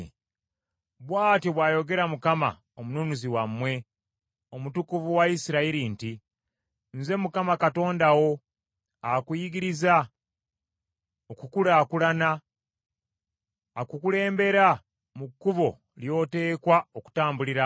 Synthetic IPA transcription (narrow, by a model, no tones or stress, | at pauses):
βwaːtiβwaːjo̞ɡe̞ɾamukama̰ | omununuziwamːwe̞ | omutukuvuwaisiɾaiɾinti | nze̞mukamakato̞ːndawo̞ | akujiɡiɾiza | okukulakulana | kukule̞ːmbe̞ɾa | mukːuβo̞ | ljo̞te̞ːkwaoku̥taːmbuliɾa